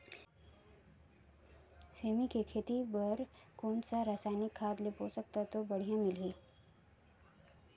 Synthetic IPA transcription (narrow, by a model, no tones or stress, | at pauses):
seːmikekʰeːt̪ibɐɾkɔːnsaɾaːsaːɪnɪkʰːaːd̪lepoːsək̚t̪at̪obɐɽ̤ijãmɪlɦiː